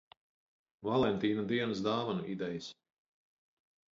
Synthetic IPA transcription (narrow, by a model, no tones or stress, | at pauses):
valˠɛnt̪iːnad̪iɛnəsd̪aːvanuʔid̪ɛjas